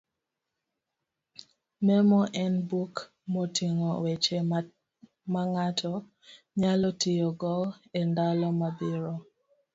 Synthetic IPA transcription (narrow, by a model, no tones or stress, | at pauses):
mɛmɔʔɛnbuk | mɔtiŋɔwɛt͡ʃɛ | maŋatʰɔ | ɲalɔtijɔɡɔɛndalɔmabiɾɔ